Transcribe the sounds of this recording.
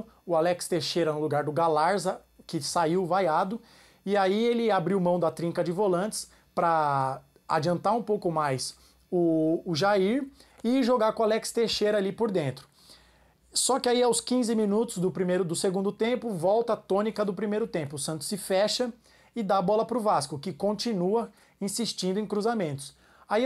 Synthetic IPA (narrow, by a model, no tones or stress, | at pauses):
ʊalɛkst̪eʃejɾɐnʊluɡaɾd̪ʊɡalaɾzɐ | kɪsaiwvajad̪ʊ | ɪaielɪabɾiwmɐ̃w̃d̪ɐt̪ɾĩŋkɐd͡ʒɪvolɐ̃nt͡ʃɪ̥s | pɾɐ | a̰d͡ʒiɐ̃nt̪aɾũpowkʊmajs | ʊːʒaiɾɪʒoɡaɾkõalɛkst̪eʃejɾɐalipoɾd̪ẽnt̪ɾʊ̥ | sɔkɪaiawskĩzɪmĩnut̪ʊzd̪ʊpɾimejɾʊd̪ʊseɡũnd̪ʊt̪ẽmpʊvɔwt̪ɐaːt̪õnikɐd̪ʊpɾimejɾʊt̪ẽmpʊsɐ̃nt̪ʊ̥sːɪfɛʃɐ | ɪd̪abɔlɐpɾʊvaskʊkɪkõnt͡ʃinuɐ | ĩsiʃt͡ʃĩnd̪ʊẽj̃kɾuzamẽnt̪ʊ̥s | ai